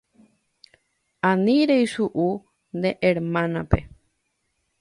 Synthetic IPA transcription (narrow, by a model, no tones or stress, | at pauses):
aniɾejʃuʔu | nd̪eʔeɾmãnape